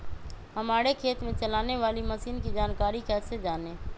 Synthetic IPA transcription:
ɦəmaːɾekʰeːt̪mẽt͡ʃəlaːneʋaːliməsiːnkid͡ʒaːnkaːɾikʰɛːt̪sed͡ʒaːnẽː

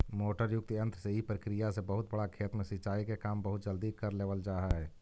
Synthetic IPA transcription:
moːʈəɾjʊk̚t̪ə̃nt̪ʰɾseipɾəkɾijasebɐɦʊt̪bɐɽakʰeːt̪mẽsɪt͡ʃaːikekaːmbɐɦʊt̪̚d͡ʒəld̪ikɐɾleːʋəld͡ʒaːɦaɦɛː

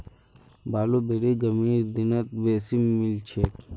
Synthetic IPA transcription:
baːlobeɾeɡɐmiːɾd̪ɪnɐt̪ʋeːsimːɪlt͡ʃʰeːk

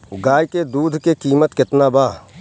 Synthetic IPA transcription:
ɡaːjked̪uːd̪ʱkekiːmət̪kɪt̪nabaː

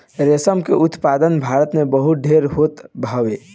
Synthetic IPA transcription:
ɾesəmkḛʔut̪pad̪ənbʱaɾət̪mebəɦut̪̚ɖʱeɾɦot̪bʱaʋe

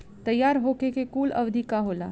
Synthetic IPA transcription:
t̪ɐjːaːɾɦoːkekekuːlɐ̰ʋd̪ʱikaɦoːla̰ː

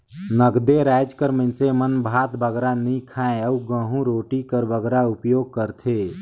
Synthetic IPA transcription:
nəɡd̪eɾaːd͡ʒkəɾmə̃nsemənbʱaːt̪bəɡɾanĩkʰãːẽəuɡə̃ɦũɾoːʈikəɾbəɡɾaʊpjoːɡ̚kəɾt̪ʰeː

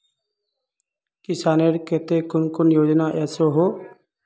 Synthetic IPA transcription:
kɪsaːneːɾket̪eːkʊnkʊnjoːd͡ʒnaːʔɛːsoːɦoː

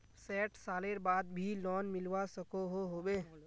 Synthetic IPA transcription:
sɛːʈsaːleɾbaːd̪bʱilɔːnmɪlʋasəkoɦoɦoːbeː

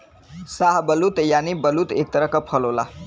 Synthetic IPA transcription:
saɦbəlut̪janibəlut̪ek̚t̪əɾəkəpʰəlola̰

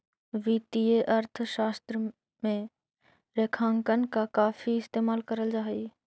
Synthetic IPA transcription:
ʋiːt̪ieʔəɾt̪ʰʃaːst̪ɾə | mẽ | ɾeːkʰãːŋkənkakaːfʰiɪst̪eːmaːlkəɾəld͡ʒaːi

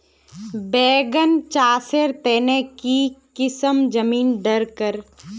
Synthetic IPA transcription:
bɛːɡənt͡ʃaːseɾt̪ɛːnekikɪsəmd͡ʒəmiːnɖəɾkəɾ

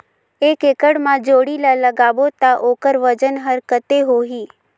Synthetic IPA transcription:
ekekəɽmãd͡ʒoːɽilaləɡaʋot̪aʔokəɾʋəd͡ʒənɦəɾkət̪eɦoɦiː

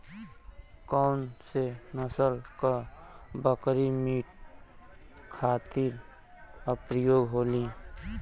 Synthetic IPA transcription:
kaʊnsenəsəlkabəkɾimiːʈ | kʰaːt̪iɾ | əpɾəjoːɡɦoːli

